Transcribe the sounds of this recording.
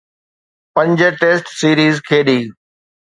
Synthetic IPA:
pə̃ɲd͡ʑʈeːsʈsiːɾiːzkʰeːɗiː

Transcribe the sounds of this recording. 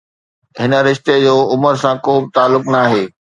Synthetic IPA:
ɦɪnə̆ɾɪʃt̪ed͡ʑoːʊməɾsãkoːbɪt̪aːlːʊknaːɦeː

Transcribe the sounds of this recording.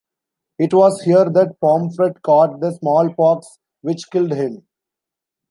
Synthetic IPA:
ɪʈʋɔːzhiəɾd̪æʈ̚pɔ̃ːmfɾɛʈkɔːʈ̚d̪əsmɔːlpɔːks | ʋɪt͡ʃkɪlɖɦɪ̃m

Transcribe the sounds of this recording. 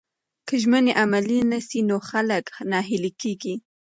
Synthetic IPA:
kəʒməneʔamalinasinoxaləknɑɦɪlikeɡi

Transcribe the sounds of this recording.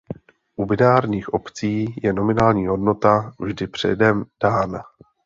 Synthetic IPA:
ʔubɪnaːɾɲiːxʔo̞pt͡siːjɛno̞mɪnaːlɲiːɦo̞dno̞t̪avʒdɪpr̝̥ɛ̰dɛmd̥aːna

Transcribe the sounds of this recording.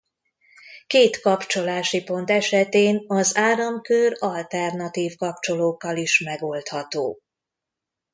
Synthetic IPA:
keːt̪kɒpt͡ʃo̞laːʃipo̞nt̪ɛʃɛt̪eːnɒzaːɾɒmkørɒlt̪ɛrnɒt̪iːfkɒp̚t͡ʃo̞loːkːɒliʃmɛɡo̞lt̪hɒt̪oː

